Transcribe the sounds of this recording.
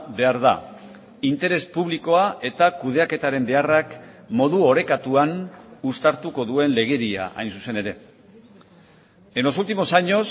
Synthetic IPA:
be̞aɾða̰ | int̪e̞ɾe̞spuβ̞liko̞aʔe̞t̪akuð̞e̞ake̞t̪aɾe̞mbe̞arakmo̞ðuo̞ɾe̞kat̪uanust̪aɾt̪uko̞ðue̞nle̞ɣ̞e̞ɾia̰ʔa̰jnsuse̞ne̞ɾe̞ | eno̞sult̪imo̞saɲo̞s

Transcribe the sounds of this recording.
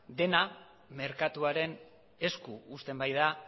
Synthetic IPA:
d̪e̞na | me̞ɾkat̪uaɾe̞n | e̞skuːst̪e̞mbajða

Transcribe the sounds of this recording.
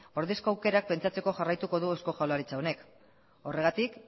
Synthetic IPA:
o̞ɾðesko̞awke̞ɾak̚pe̞nt͡ʃat͡se̞ko̞ʝarajt̪uko̞ðuesko̞ʝalaɾit͡sao̞ne̞k | o̞re̞ɣ̞at̪ik

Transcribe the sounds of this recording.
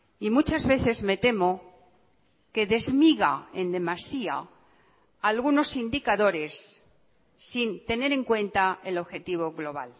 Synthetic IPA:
imut͡ʃazβe̞θe̞zme̞t̪e̞mo̞ | ke̞ðe̞zmiɣa̰e̞nd̪e̞masia̰ | alɣuno̞sind̪ikaðo̞ɾe̞sː | int̪e̞ne̞ɾe̞ŋkwe̞nt̪ae̞lo̞βxe̞t̪iβ̞o̞ɣlo̞β̞a̰l

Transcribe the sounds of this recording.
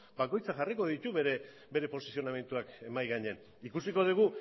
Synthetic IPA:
bako̞jt͡saʝariko̞ðit̪uβeɾe | be̞ɾe̞po̞sisioname̞nt̪uake̞majɣaɲean | ikusiko̞ð̞iɣ̞u

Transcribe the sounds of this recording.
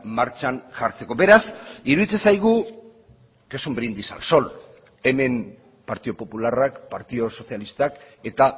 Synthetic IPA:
maɾt͡ʃanʝaɾt͡se̞ko̞be̞ɾasiɾuðit͡sesajɣ̞u | kesombɾind̪isa̰lso̞l | e̞me̞m | paɾt̪iðo̞po̞pularakpaɾt̪iðo̞so̞sialist̪ak | e̞t̪a

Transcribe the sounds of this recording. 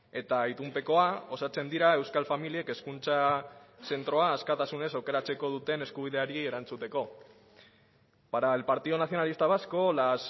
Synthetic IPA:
e̞t̪ait̪umpe̞ko̞ao̞sat͡se̞nd̪iɾae̞wskalfamilie̞ke̞skunt͡sase̞nt̪ɾo̞aːskat̪asune̞sawke̞ɾat͡se̞ko̞ð̞ut̪e̞ne̞skuβ̞iðe̞aɾie̞ɾant͡sut̪e̞ko̞ | paɾaelpaɾt̪iðo̞naθjo̞nalist̪aβ̞asko̞las

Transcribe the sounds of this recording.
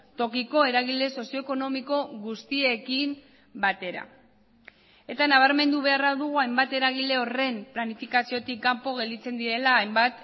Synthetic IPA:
t̪o̞kiko̞e̞ɾaɣ̞ile̞so̞sio̞eko̞no̞miko̞ɣust̪ie̞kim | bat̪e̞ɾa̰ | e̞t̪anaβ̞aɾme̞nd̪uβ̞e̞araðuɣ̞uajmbat̪e̞ɾaɣ̞ile̞o̞re̞mplanifikasio̞t̪ikːampo̞ɣ̞e̞ld̪it͡se̞nd̪iɾe̞laːjmbat̪

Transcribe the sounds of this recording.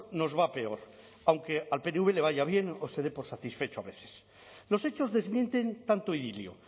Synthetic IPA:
no̞zβape̞o̞ɾ | awŋkealpe̞neuβe̞le̞β̞aʝaβje̞nose̞ðe̞po̞ɾsat̪isfe̞t͡ʃo̞aβe̞θe̥s | lo̞se̞t͡ʃo̞zðe̞zmjẽ̞nt̪e̞nt̪ant̪oiðiljo̰

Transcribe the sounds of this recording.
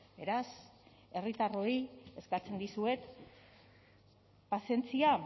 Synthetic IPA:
be̞ɾas | e̞rit̪aro̞ie̞skat͡se̞nd̪isue̞t̪ | pase̞nt͡sia

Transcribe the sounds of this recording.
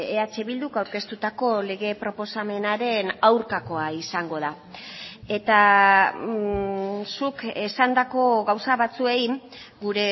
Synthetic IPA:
eat͡ʃe̞βild̪ukawɾke̞st̪ut̪ako̞le̞ɣe̞pɾo̞po̞same̞naɾe̞nawɾkako̞aisaŋɡo̞ð̞a | e̞t̪a | sukesand̪ako̞ɣawsaβat͡sue̞iɡuɾe̞

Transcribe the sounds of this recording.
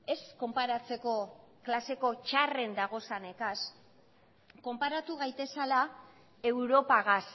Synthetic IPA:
e̞sko̞mpaɾat͡se̞ko̞klase̞ko̞t͡ʃare̞nd̪aɣ̞o̞sane̞kas | ko̞mpaɾat̪uɣ̞ajt̪e̞sala | e̞wɾo̞paɣas

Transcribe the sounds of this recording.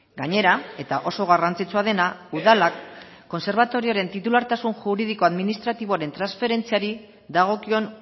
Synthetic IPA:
ɡaɲe̞ɾae̞t̪aʔo̞so̞ɣ̞arant͡sit͡suað̞e̞nauðalakː | o̞nse̞ɾβat̪o̞ɾio̞ɾe̞nt̪it̪ulaɾt̪asunʝuɾið̞iko̞aðminist̪ɾat̪iβ̞o̞aɾe̞nt̪ɾansfe̞ɾe̞nt͡siaɾi | ðaɣ̞o̞kio̞n

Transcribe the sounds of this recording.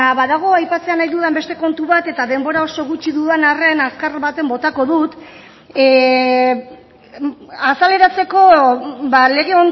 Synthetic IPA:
βaðaɣ̞o̞ajpat͡se̞anajðuðembe̞st̪e̞ko̞nt̪uβat̪e̞t̪aðe̞mbo̞ɾao̞so̞ɣ̞ut͡ʃiðuðenare̞naskaɾβat̪e̞mbo̞t̪ako̞ðut̪ | asale̞ɾat͡se̞ko̞βale̞ɣ̞e̞on

